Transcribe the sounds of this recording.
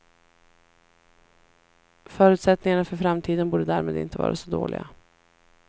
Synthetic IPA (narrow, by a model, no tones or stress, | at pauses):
fœːɾʉ̟t̪sɛt̪nɪŋaɳafœɾfɾamt̪ʰiːd̪ənbuːɖəd̪æɾmeːd̪ɪ̰nt̪əvɑ̰ːɾasɔd̪o̰ːlɪ̰ɡa̰